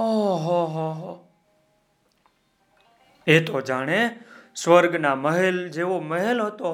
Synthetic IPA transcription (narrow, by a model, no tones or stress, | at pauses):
oɦoɦoɦo | et̪od͡ʒaːɽ̃esʋəɾɡnaməɦeld͡ʒeʋoməɦelɦət̪o